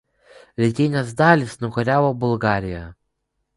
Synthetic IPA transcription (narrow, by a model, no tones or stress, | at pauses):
lʲɛt̪ʲɪnʲɛsd̪ɑːlʲɪsnʊkɔɾʲæːʋoːbʊlˠɡɑːɾʲɪjɛ